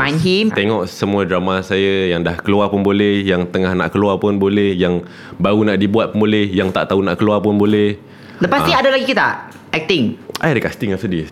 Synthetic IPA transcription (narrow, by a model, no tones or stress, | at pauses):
anɦimt̪eŋɔʔsəmũadɾamasajəjaŋdahkəluapʊnbolɛhjaŋt̪əŋahna̰ʔkəluapʊnbolɛhjaŋ | baunaʔdibuat̪̚punbolɛhjaŋt̪a̰ʔt̪aunaʔkəluapʊnbolɛh | ləpasniadalaɡikit̪a̰ʔ | ajt̪iŋʔajdəkast̪ɪŋafsədi